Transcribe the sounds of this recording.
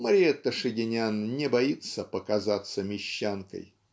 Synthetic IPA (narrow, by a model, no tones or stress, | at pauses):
məɾʲiet̪əʂɨɡʲɪnʲannʲɪbɐit̪səpəkɐzat̪səmʲɪɕːankə̰j